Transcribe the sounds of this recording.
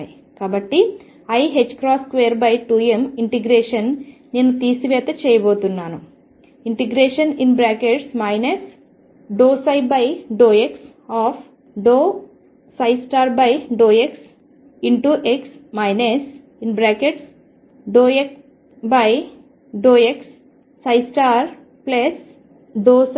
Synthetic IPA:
ji | kaːbɐʈːi | ɐjɦet͡ʃːkɾaːskʋejɐɾbɐjʈuːemiɳʈiɡɾeːʂɐnneːnut̪iːsiʋɛːt̪ɐt͡ʃɛːjɐboːt̪unːaːnu | iɳʈiɡɾeːʂɐninbɾaːkeʈsmɐjnes | ɖoːsɐjbɐjɖoːeks | aːpʰ | ɖoː | sɐjsʈaːɾbɐjɖoːeks | iɳʈuʔeksmɐjnes | inbɾaːkeʈs | ɖoːek | bɐj | ɖoːeksː | ɐjsʈaːɾ | plɐs | ɖoːs

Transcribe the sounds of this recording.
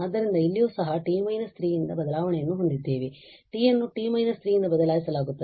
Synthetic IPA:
ɐd̪ːɐɾind̪ɐilːijoːsɐɦɐʈiːmɐjnɐst̪ʰɾiːjind̪ɐbɐd̪ɐlaːʋɐɳɛjɐnːuɦond̪id̪ːe̞ːʋeʈiːjɐnːuʈiːmɐjnɐst̪ɾiːjind̪ɐbɐd̪ɐlaːjisɐlaːɡut̪ːɐ

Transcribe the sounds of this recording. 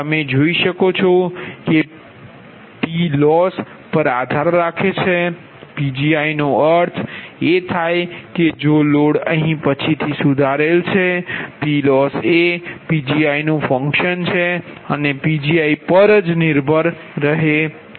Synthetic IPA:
əmed͡ʒoiʃəkot͡ʃʰoke | pilɔs | pəɾad̪ʱaɾːakʰet͡ʃʰe | pid͡ʒiainoəɾt̪ʰet̪ʰajked͡ʒoloɽəɦĩpət͡ʃʰit̪ʰisud̪ʱaɾelt͡ʃʰepilɔsepid͡ʒiainũfə̃ŋkʃənt͡ʃʰeənepid͡ʒiaipəɾd͡ʒniɾbʱəɾː | əɦe

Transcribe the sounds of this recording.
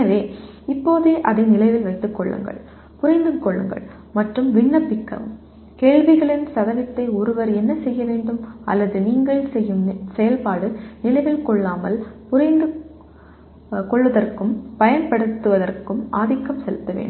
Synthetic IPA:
ɐʋeː | ɪpːoːðeːʔɐðɐɪnɪlɐɪʋɪlʋɐɪt̪ːɯkːɔɭːɯ̰ŋɡɐ̰ɭ | pʊɾɐɪnd̪ɯkːɔɭːɯ̰ŋɡɐ̰ɭ | mɐʈrɯmʋɪɳːɐpːɪkːɐ̰m | keːɭʋɪɣɐɭɪnsɐðɐʋɪt̪ːɐɪʊɾɯʋɐɾɛnːɐsɛjːɐʋeːɳɖɯmʔɐ̰lːɐðɯniːŋɡɐɭsɛjːɯmsɛjɐlpaːɽɯnɪlɐɪʋɪlkɔɭːaːmɐlpʊɾɐɪnd̪ɯ | kɔɭʋɐðɐrkɯmpɐjɐnpɐɽɯt̪ːɯʋɐðɐrkɯmaːðɪkːɐmsɛlɯt̪ːɐʋḛːɳɖɯm

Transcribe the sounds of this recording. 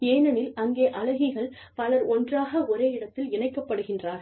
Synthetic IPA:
eːnɐnɪlɐŋɡeːʔɐlɐɣɪɣɐɭ | pɐlɐɾɔndraːɣɐɔɾeːɪɽɐt̪ːɪlɪnɐɪkːɐpːɐɽɯɣɪndraːɾ

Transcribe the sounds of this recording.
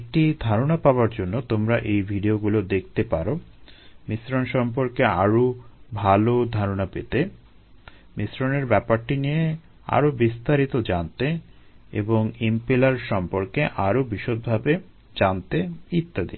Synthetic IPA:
k̚ʈid̪ʱaɾonapaoaɾd͡ʑonːot̪omɾaʔejbʱiɖioɡulod̪ek̚ʰt̪epaɾomisɾonʃɔmp̬oɾkea̰ɾobʱalod̪ʱaɾonapet̪e | misɾoneɾbɛpaɾʈinije | a̰ɾobist̪aɾit̪od͡ʑant̪eḛboŋimpelaɾʃɔmpoɾkeʔaɾobiʃot̪̚bʱabe | d͡ʑant̪eit̪ːad̪ḭ

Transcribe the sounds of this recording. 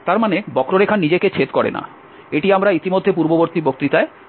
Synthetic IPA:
t̪aɾmanebɔkɾoɾekʰanːid͡ʑeket͡ɕʰet̪kɔɾḛna̰ | eʈiamɾait̪imod̪ʱːep̬uɾboboɾt̪ibok̚t̪it̪ae

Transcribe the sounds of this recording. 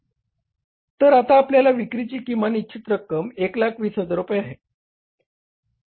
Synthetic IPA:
t̪əɾat̪aːpljalaʋikɾit͡ɕiːkimanitːɕʰit̪ɾəkːəmeklakʰʋiːsɦəd͡zəɾupjaaɦe

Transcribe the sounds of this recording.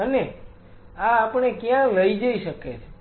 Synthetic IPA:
əne | aːpəɳ̃ekjãləid͡ʒəiʃəket͡ʃʰe

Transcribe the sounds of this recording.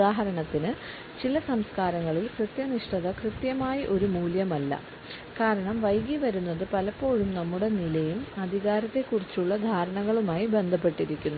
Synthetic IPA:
aːɦɐɾɐɳɐt̪ːinɨ | t͡ɕilɐsɐmskaːɾɐŋːɐɭilkrɨt̪jɐniʂʈɐðɐkrɨt̪jɐmaːjiʔo̞ɾumuːljɐmɐlːɐ̰ | kaːɾɐɳɐmʋɐjɡiʋɐɾun̪ːɐðɨpɐlɐpːo̞ːɻumnɐmːuɽe̞nilɐjumɐd̪ʱiɣaːɾɐt̪ːe̞kːurit͡ɕːuɭːɐd̪ʱaːɾɐɳɐɣɐɭumaːjibe̞nd̪ʱɐp̬ːe̞ʈːiɾikʲːunːu

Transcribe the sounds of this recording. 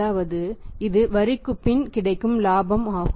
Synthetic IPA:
aːʋɐðɯɪðɯʋɐɾɪkːɯpːɪnkɪɽɐɪkːɯmlaːbɐmaː

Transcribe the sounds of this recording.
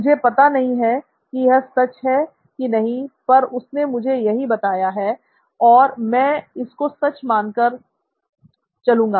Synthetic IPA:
mʊd͡ʒʱepɐt̪anɐɦĩɦɛ | kijɛsɐt͡ʃɦɛ | kinɐɦĩpɐɾʊsnemʊd͡ʒʱejɐɦibɐt̪aːjaɦɛ | ɔːɾmɛ̃ːɪskosɐt͡ʃmãːnkəɾ | t͡ʃɐlũːŋɡaː

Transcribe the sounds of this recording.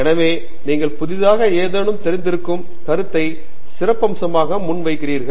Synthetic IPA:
ɛnɐʋeː | niːŋɡɐɭpʊðɪðaːɣɐeːðɐːnɯmt̪ɛɾɪnd̪ɪɾɯkːɯm | kɐɾɯt̪ːɐɪ | sɪrɐpːɐmsɐmaːɣɐmʊɳʋɐɪkːɪriːɾɣɐɭ

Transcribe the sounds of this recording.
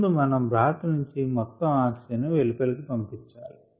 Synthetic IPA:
d̪umɐnɐmbɾaːt̪ɐnuɲt͡ʃimɔt̪ːɐmaːksɐnɐʋelipɐlikipɐmpit͡ʃːaːli

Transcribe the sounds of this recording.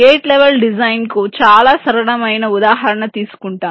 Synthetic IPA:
eːʈlɛʋelɖid͡ʒɐjnkut͡ʃaːlaːsɐɾɐɽɐmɐjnɐud̪aːɦɐɾɐɳɐt̪iːsu̥kuɳʈaː

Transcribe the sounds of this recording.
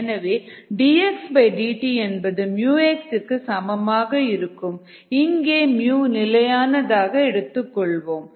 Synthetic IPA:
nɐʋeːɖiːɛksbɐɪɖiːʈiɛnbɐðɯmjuːeksɪkːɯsɐmɐmaːɣɐɪɾɯkːɯm | ɪŋɡeːmjuːnɪlɐjaːnɐðaːɣɐɛɽɯt̪ːɯkːɔɭʋoːm

